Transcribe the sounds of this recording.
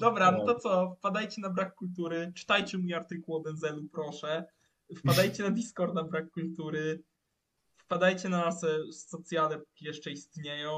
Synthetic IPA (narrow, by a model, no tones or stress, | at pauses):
d̪̥ɔbɾant̪ɔt̪sɔfpad̪ajt͡ɕɛnabɾakːult̪uɾɘt͡ʂɘ̥t̪ajt͡ɕɛmujaɾt̪ɘkuwɔb̪ɛnzɛlupɾɔʂɛ | fpad̪ajt͡ɕɛnad̪ʲiskɔɾt̪̚nabɾakːult̪uɾɘ | fpad̪ajt͡ɕɛnanasɛsːɔt̪sʲjad̪ɛpu̥kʲijɛʂt͡ʂɛist̪ɲejɔ̃w̃